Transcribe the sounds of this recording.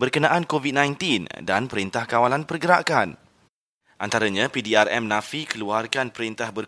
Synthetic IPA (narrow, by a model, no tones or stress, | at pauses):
bərkənãʔankovid̚nãjnt̪indanpəɾint̪ahkawalanpərɡəɾakan | ʔant̪aɾaɲãpidiarɛmnãfikəluarkanpəɾint̪ahbər